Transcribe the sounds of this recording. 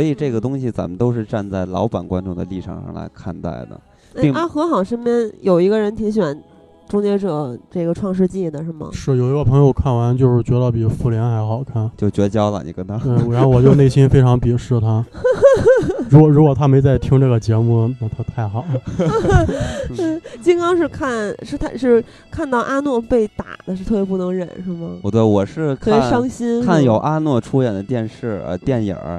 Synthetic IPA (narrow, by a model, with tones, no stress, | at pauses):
swɔ˧˥i˨˩ʈ͡ʂɤ˥˩ɡə˩t̪ʊ˥ŋɕi˨t͡sa̰˧˥nmə˧nt̪o˥ʊʂɻ̩˥˧ʈ͡ʂa˥˧nt͡sa˥˩ɪlɑ˧˥ʊpa˨˩nkwa̰˥nʈ͡ʂʊ˥ŋd̪ə̰˨li˥˩ʈ͡ʂʰɑ̰˨˩ŋʂɑ̰˥˩ŋla̰˧˥ɪkʰa̰˥˧nt̪a̰˥˩ɪd̪ə̰˩˥˩ | i˥˧ŋa˥˩xɤ˧˥xɑ˨˩ʊʂə˥npjɛ˥njo˨˩ʊi˧˥ɡə˧ɻə˧˥nt̪ʰi˧˥ŋɕ̬ɥɛ˨˩˦n | ʈ͡ʂʊ˥ŋt͡ɕjɛ˧˥ʈ͡ʂɤ˨˩ʈ͡ʂɤ˥˩ɡə˩ʈ͡ʂʰwɑ˥˧ŋʂ̬ɻ̩˥˧t͡ɕi˥˩d̪ə˩ʂɻə˧˥mə̰˧ʂɻ̩˥˩jo˨˩ʊi˧˥ɡə˧pʰɤ˧˥ŋjo˧ʊkʰa˥˩nwa˧˥nt͡ɕjo˥˧ʊʂɻ̩˥˩t͡ɕɥɛ˧˥d̪ə˧pi˨˩fu˥˩ljɛ˧˥nxa˧˥ɪxɑ˨˩ʊkʰa˥˩nt͡ɕjo˥˩ʊt͡ɕɥɛ˧˥t͡ɕjɑ˥ʊlə̰˨ni˨˩kə˥nt̪ʰa˥te˥˩ɪ˧˥xwɔ˨˩t͡ɕjo˥˧ʊne˥˩ɪɕi˥nfe˥ɪʈ͡ʂʰɑ˧˥ŋpi˨˩ʂɻ̩˥˩t̪ʰa˥ | ɻu˧˥kwɔ˨˩ɻu˧˥kwɔ˨˩t̪ʰa˥me˧˥ɪt͡sa˥˩ɪt̪ʰi˥ŋʈ͡ʂɤ˥˩ɡə˩t͡ɕjɛ˧˥mu˥˩na˥˩t̪ʰa˥t̪ʰa˥˩ɪxɑ˨˩˦ʊ˥˩ | t͡ɕi˥ŋkɑ˥ŋʂɻ̩˥˧kʰa˥˩nʂɻ̩˥˧t̪ʰa˥˧ʂɻ̩˥˩˧ | kʰa˥˧nt̪ɑ˥˩ʊʔa˥nwɔ˥˧pe˥˩ɪt̪a̰˨˩d̪ə˦ʂɻ̩˥˧t̪ʰɤ˥˩jɛ˥pu˥˩nɤ˧˥ŋɻə̰˨˩˦nʂɻ̩˥˩mə˩˧˩t̪we˥˩ɪwɔ˨˩ʂɻ̩˥˧kʰai˨˥˩ʂɑ˥ŋɕi˥nkʰa˥˩njo˨˩ʊʔa˥nwɔ˥˩ʈ͡ʂʰu˥jɛ˨˩nd̪ə˦t̪jɛ˥˧nʂɻ̩˥˩ə̰˧t̪jɛ˥˩njə̰˨˩